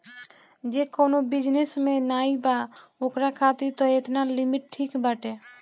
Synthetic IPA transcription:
d͡ʒekoːnobɪd͡ʒnesmẽnaːibaokɾakʰaːt̪it̪ɔet̪nalimiʈ̚ʈʰiːkbaʈe

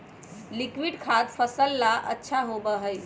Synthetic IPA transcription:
likwiɖkʰad̪pʰəsəlːaʔə̰tːʃʰaɦobəɦəj

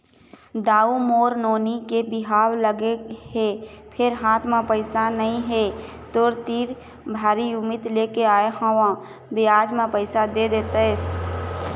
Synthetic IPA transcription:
d̪aːumoːɾnoːnikebɪɦaːwləɡeɦepʰɪɾɦaːt̪ʰmãpəɪsanəɦĩɦet̪oːɾt̪iːɾ | bʱaːɾiʊmɪt̪leːkeaːehãʋã | bɪaːd͡ʒmãpəɪsad̪ed̪eːt̪əs

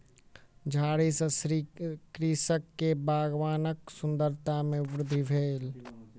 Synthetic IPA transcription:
d͡ʒʱaːɽisəsɾikɾisəkːebaːɡʋaːnəksʊnd̪əɾt̪amẽbɾʊd̪ʱːibʱeːl

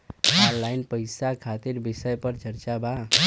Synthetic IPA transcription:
aɾlajnpəjsakʰat̪iɾbisəjpəɾt͡ʃəɾt͡ʃaba

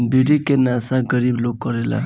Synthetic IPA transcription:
biɽikenasaɡəɾibloɡ̚kːɔɾela̰

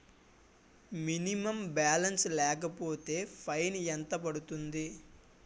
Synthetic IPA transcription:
minimɐmbaːlɐnslɛːk̬ɐpo̞ːt̪e̞ːpʰɐjnɛnt̪ɐpɐɽut̪und̪i

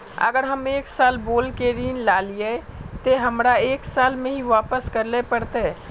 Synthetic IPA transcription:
ə̰ɡəɾɦəmeːksaːlboːlkeɾiːnlalije | t̪eɦəmɾaeːksaːlmẽɦiʋaːpəskəɾlepəɾt̪e

